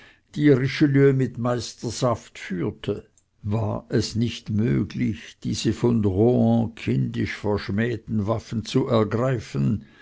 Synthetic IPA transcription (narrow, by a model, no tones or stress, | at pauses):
d̥iːʁɪʃəlyːəmɪtmaɪstəzaftfyːtʰə | vaːʔɛsnɪçtmø̰ːɡlɪçd̥iːz̥əfɔnʁoɑ̃kʰɪndɪʃfɛɐʃmɛːtn̩vafən̩t͡suʔɛɐɡʁaɪfən